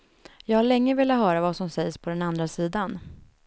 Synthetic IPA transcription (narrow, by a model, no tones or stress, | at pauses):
jɑːɡhaɭɛŋːəvɪːlat̪hœːɾavasɔmsɛjspʰɔd̪ɛnand̪ɾasiːd̪an